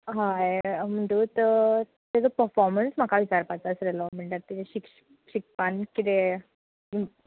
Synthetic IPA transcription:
ɦajm̤əɳʈ̪uːt̪ | t̪ed͡zəpəɾfɔɾmənsm̤akʰaʋit͡ɕaɾpat͡sasɾeləm̤əɳʈaɾt̪iteɕik | ɕik̚pankit̪e

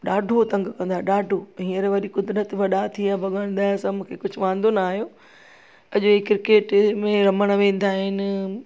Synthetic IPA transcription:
ɗaːɖʱot̪ɐ̃ŋɡkɐ̃nd̪aːɗaːɖʱoɦiːəɾʋɐɗikʊd̪ɾət̪ʋɐɗat̪ʰijãbʱɐɠəɽ̃d̪aːɪ̃sɐ̃mʊ̃ːkʰekʊd͡ʑʱʊʋãːn̆d̪onaːɦijoː | ɐʄoekɪɾɪkeːʈmẽɾɐməɽ̃ʋẽːn̆d̪aːɦɪnɪ̆

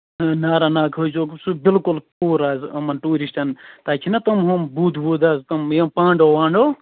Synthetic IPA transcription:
naːɾanaːkʰod͡ʒoːksubilkulpuːɾaːzɐmɐnʈuːɾisʈɐnt̪aːkʰinɐt̪ɐmɦombuːd̪buːd̪aːzt̪ɐmjɐmpãːɳɖoːwaːɳɖoː

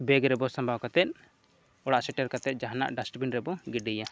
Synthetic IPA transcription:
bɛɡɾɛbɔsambʱawkat̪ɛt̪̚ | ɔɽaʔsɛʈɛɾkat̪ɛt̪̚d͡ʒaɦana̰ʔɖasʈbinɾɛbɔɡiɖija

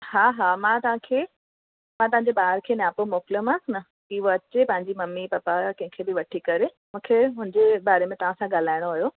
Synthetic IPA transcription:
haːɦamãt̪ɐʋ̤ãkʰeː | mãt̪ɐʋãɲd͡ʑebaːɦɾkʰeːnaːpomoːfləmãsnɐ | kɪɦoɐt͡ɕepɐ̃ɦɪ̃ɲd͡ʑimɐmːipɐpakɐ̃ɦɪ̃kʰeːbɪʋɐʈʰikɐɾe | mũːkʰeɦʊ̃ɪ̃d͡ʑebaːɾemẽt̪ɐʋ̤ãsãɠaːl̤aːɪɽ̃oɐɦjo

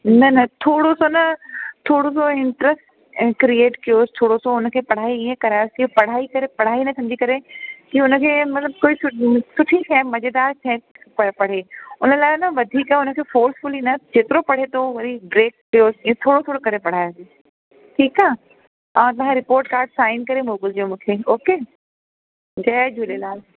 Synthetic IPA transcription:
nɐnɐt̪ʰoːɽosonɐt̪ʰoːɽosoɪ̃ɳʈɾəsʈ | kɾieːʈkijoːst̪ʰoːɽosoʊnə̆kʰeːpɐɽ̤aːiiːẽkɐɾaːjoskijopɐɽ̤aːikɐɾepɐɽ̤aːinɐsʰɐ̃md͡ʑikɐɾekiʊnə̆kʰeːmɐt̪ləb̚koːisʊsʊʈʰikʰɛ̃ːmɐd͡ʑed̪aːɾt͡ɕʰɛ̃ː | pɐpɐɽ̤eːʊnə̆laːɪnəʋɐd̪ʱiːkaʊnəkʰeːfoːɾsfʊlinɐd͡ʑeːt̪ɪɾopɐɽ̤et̪ʰoʋɐɾibɾeːkːijoːsẽt̪ʰoːɽot̪ʰoːɽokɐɾepɐɽ̤aːjose | ʈʰiːkaː | ãːt̪̬ɐʋ̤ãɾɪpoːɾʈkaːɾɖsaːɪnkɐɾemoːɡɪld͡ʑomũːkʰeːoːkeː | d͡ʑɐːd͡ʑʱulelaː

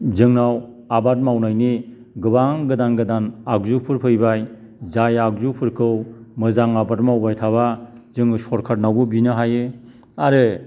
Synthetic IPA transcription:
zɯŋnaw | abat̚mawnajni | ɡɯbaŋɡɯdanɡɯdanak̚zupʰɯɾpʰɯjbaj | zajak̚zupʰɯɾkʰɯwmɯzaŋabat̚mawbajtʰaβazɯŋɯsɔɾkʰat̚nawbɯbinɯɦajɯ | aɾɯ

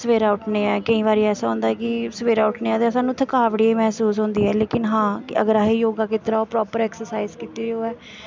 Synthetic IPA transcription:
səʋeːɾaːʊʈʰneːɛːkəĩːβaːɾiːɛːsãːɦʊ̃ːnd̪aːɛːkɪsəʋeːɾaːʊʈʰneːãːt̪eːsaːnũːt̪ʰəkaːʋɽiːiːmɛːsuːsɦʊ̃ːnd̪iːɛːleːkɪnɦãːkɪə̰ɡəɾaːɦeːjoːɡaːkɪt̪ɾaːoːpɾɔːpəɾɛːksəɾsaːizkiːt̪iːɾoːɛː

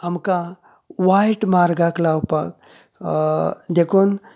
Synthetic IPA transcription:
amka | ʋajʈmaɾɡaklawpak̚ | d̪ekʰon

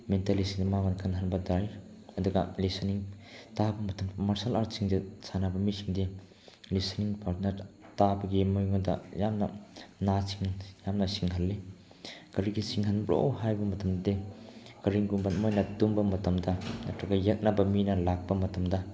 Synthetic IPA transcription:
mentalisiŋdimaŋankʰɐnɦɐnbɐdajɐduɡɐ̰lisɐniŋtabɐmɐtɐmmaɾsalaɾsiŋdisʰanabɐmisiŋdi | lisɐniŋpaɾnɐɾtabɐɡimojŋodɐ̰jamnɐnasiŋjamnɐsiŋɦɐlːi | kɐɾiɡisiŋɦɐnbɾo̰wɦajbɐmɐtɐmdikɐɾiŋɡumbɐt̚mojnɐdumbɐmɐtɐmdɐnɐtɐkɐjɐk̚nabɐminɐlak̚pɐmɐtɐmdɐ

